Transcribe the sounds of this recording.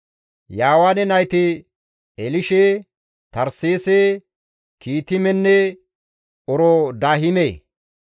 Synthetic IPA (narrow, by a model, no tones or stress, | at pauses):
jaːwanɛnɐjt̪ɪ | ɛlɪʃe | t̪ɐɾseːse | kiːt̪ɪmɛnːɛ | ɔɾɔd̪aːɦɪmeː